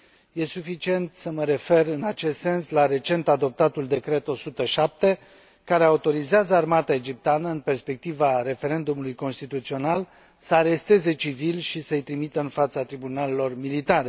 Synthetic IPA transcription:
je̞sufit͡ʃie̞nt̪səməɾe̞fe̞rɨnat͡ʃe̞st̪se̞nslaɾe̞t͡ʃe̞nt̪ad̪o̞p̚t̪at̪uld̪e̞kɾe̞t̪o̞sut̪əʃap̚t̪e̞ | kaɾeaut̪o̞ɾizeazəarmat̪aed͡ʒip̚t̪eanəɨnpe̞rspe̞k̚t̪ivaɾe̞fe̞ɾe̞nd̪umulujko̞nst̪it̪ut̪sio̞nal | səaɾe̞st̪e̞ze̞t͡ʃivilʃisəɨjt̪ɾimit̪əɨnfat̪sat̪ɾibunalelo̞rmilit̪aɾe

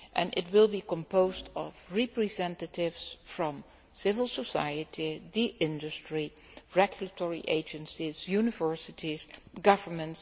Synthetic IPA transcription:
ʔɛ̰̃nʔɪ̰twɪlˠbikɔ̃mpoʊzdɔvɹɛpɹizɛ̃ntətɪvsfɹɔ̃m | sɪvəlˠsəsa̰jətʰiðiʔɪ̃ndɨstɹi | ɹɛɡjulətʰɔɹḭʔeɪd͡ʒə̃nsizjunɪvɜ˞sɪtʰizɡʌvə˞mə̃nts

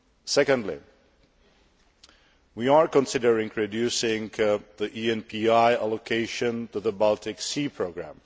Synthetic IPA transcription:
sɛkə̃ndˡlḭ | wiaɹkɔ̃nsɪdəɹɪ̃ŋʰɹɔdjusɪ̃ŋðiʔiɛ̃npʰiaɪalokʰeɪʃə̃ntuðəbalˠtɪksipʰɹoʊɡɹæ̰̃m

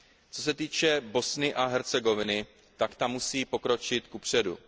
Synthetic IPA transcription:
t͡so̞s̬ɛt̪iːt͡ʃɛbo̞snɪʔaɦɛɾt͡sɛɡo̞vɪnɪ | t̪akt̪amːusiːpo̞kɾo̞t͡ʃɪt̪kupr̝̥ɛdṵ

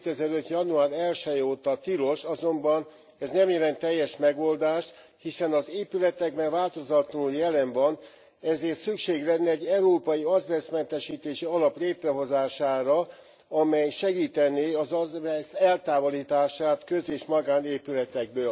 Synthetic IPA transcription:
et̪ɛzɛɾøt̪jɒnuaːɾɛlʃɛjoːt̪ɒt̪iɾo̞ʃɒzo̞mbɒn | ɛznɛmjɛlɛnt̪ːɛjːɛʃmɛɡo̞ld̪aːʃt̪ | hisɛnɒzeːpylɛt̪ɛɡ̚bɛɱvaːlt̪o̞zɒt̪luljɛlɛɱvɒn | ɛzeːrt̪sykʃeːɡlɛnːɛɛɟːɛuɾoːpɒjiɒzvɛrsmɛnt̪ɛʃiːt̪eːʃiɒlɒpleːt̪rɛɦo̞zaːʃaːɾɒ | ɒmɛjʃɛɡiːt̪ɛneːɒzɒzvɛsɛlt̪aːvoliːt̪aːʃaːt̪køzeːʃmɒɡaːneːpylɛt̪ɛɡ̚bøːl

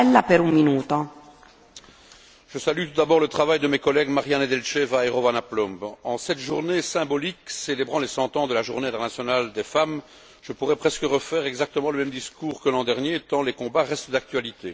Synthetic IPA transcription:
lːapeɾumminuːt̪o | ʒ̥əsalyt̪ud̪abɔʁlət̪χavajd̪əmɛkɔlɛɡmaʁjaned̪ɛlʃɛvaeʁɔvanaplɔ̃mbɑ̃sɛt̪ʒuʁnesɛ̃bɔlikselebʁɑ̃lɛsɑ̃t̪ɑ̃d̪əlaʒuʁneɛ̃t̪ɛʁnasjɔnald̪efam | ʒ̥əpuʁɛpχɛskəʁəfɛːʁɛɡzak̚t̪əmɑ̃ləmɛmd̪iskuːʁkəlɑ̃d̪ɛʁnjet̪ɑ̃lɛkɔ̃baʁɛst̪d̪ak̚t̪ɥalit̪e

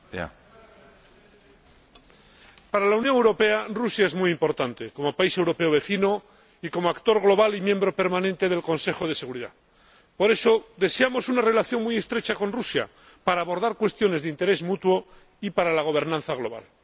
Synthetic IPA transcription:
a̰ | paɾalaunjoŋe̞wɾope̞arusjae̞zmujimpo̞ɾt̪ant̪e̞ko̞mo̞paisewɾo̞pe̞oβe̞θino | iko̞moakt̪o̞ɾɣlo̞βalimjẽ̞mbɾo̞pe̞ɾmanẽnt̪e̞ðe̞lko̞nse̞xo̞ð̞e̞se̞ɣuɾiða̰ | po̞ɾe̞so̞ðe̞se̞amo̞sunare̞laθjo̞ŋmuje̞st̪ɾe̞t͡ʃako̞nrusja̰ | paɾaːβo̞ɾðaɾkwe̞st̪jo̞ne̞zðeint̪e̞ɾe̞zmut̪wo̞ | ipaɾalaɣ̞o̞β̞e̞ɾnãnθaɣ̞lo̞βa̰l

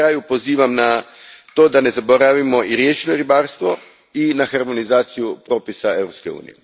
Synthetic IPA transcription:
ɾaːjupo̞ziːʋamna | t̪o̞ːd̪ane̞zabo̞ɾaʋimoiɾjeʃinoɾibaːɾst̪ʋo̞ | inaxaɾmo̞nizaːt̪sijupɾo̞ːpisae̞vɾo̞pske̞ṵːnḭje

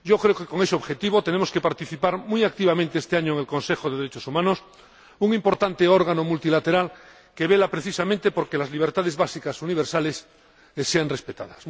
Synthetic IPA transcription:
ɟ͡ʝokɾeokeko̞ŋeseoβxe̞t̪iβ̞ot̪enemoske̞paɾt̪iθipaɾmujak̚t̪iβ̞amẽnt̪eest̪eaɲoeŋelko̞nse̞xoðeðeɾet͡ʃosumãnos | uŋimpo̞ɾt̪ant̪eoɾɣ̞anomult̪ilat̪eɾal | keβelapɾeθisamẽnt̪epo̞ɾkelazliβ̞eɾt̪aðezβasikasuniβeɾsales | seanrespet̪a̰ðas

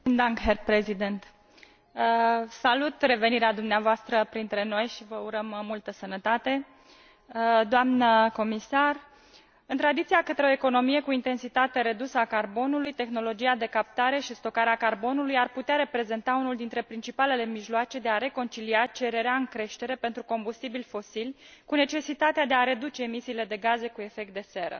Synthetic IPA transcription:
nd̪aŋkɦerpɾezid̪ent̪ | salut̪re̞ve̞niɾead̪umneavoast̪ɾəpɾint̪ɾe̞no̞jʃivəuɾəmːult̪əsənət̪at̪e̞ | d̪oamnəko̞misar | ɨnt̪ɾad̪it̪siakət̪ɾeo̞eko̞no̞mije̞kuint̪e̞nsit̪at̪eɾe̞d̪usəakarbo̞nulujt̪e̞xno̞lo̞d͡ʒiad̪e̞kap̚t̪aɾe̞ʃist̪o̞kaɾeakarbo̞nulujarput̪eaɾe̞pɾe̞ze̞nt̪aunuld̪int̪ɾe̞pɾint͡ʃipale̞le̞miʒloat͡ʃe̞d̪e̞aɾe̞ko̞nt͡ʃiliat͡ʃe̞ɾe̞ɾeaɨŋkɾe̞ʃt̪e̞ɾe̞pe̞nt̪ɾuko̞mbust̪ibilʲfo̞silʲ | kune̞t͡ʃe̞sit̪at̪ead̪e̞aɾe̞d̪ut͡ʃe̞ːmisiːle̞d̪e̞ɡaze̞kue̞fe̞k̚t̪̚d̪e̞se̞ɾə̰

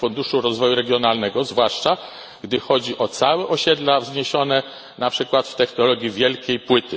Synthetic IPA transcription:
fund̪uʂuɾɔzvɔjuɾɛɡʲjɔnalnɛɡɔzvwaʂt͡ʂa | ɡd̪ɘxɔd͡ʑiʔɔt̪sawɛʔɔɕɛd̪lavzɲeɕɔnɛ | napʂɘkwat̪ft̪ɛxnɔlɔɡʲjivʲjɛlkʲejpwɘt̪ɘ

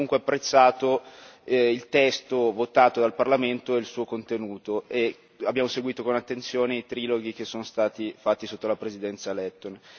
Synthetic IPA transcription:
uŋkweapːɾet̪sːaːt̪o | ilt̪ɛst̪ovot̪aːt̪od̪alparlament̪oɛilsuːokont̪enuːt̪oʔe | abːjaːmoseɡwiːt̪okonat̪ːent̪sjoːneit̪ɾiːloɡik̟esːoːnost̪aːt̪ifat̪ːisot̪ːolapɾezid̪ɛnt̪salɛt̪ːon

